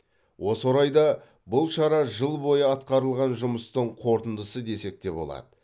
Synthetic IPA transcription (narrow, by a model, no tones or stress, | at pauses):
wʔo̞soɾɑjd̪ɑ | bʊlˠʃɑɾɑʒəlˠbo̞jəɑt̪qɑɾəlˠʁɑnʒʊməst̪əɴqʰo̞ɾt̪ənd̪əsəd̪e̞se̞k̚t̪e̞bo̞̰lˠɑ̰d̪ə